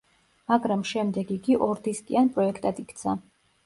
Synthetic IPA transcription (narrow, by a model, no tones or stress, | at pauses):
maɡɾamʃɛmd̪ɛɡiɡiʔɔɾd̪iskʼianpʼɾɔɛkʰt̪ʼad̪ikʰt̪sʰa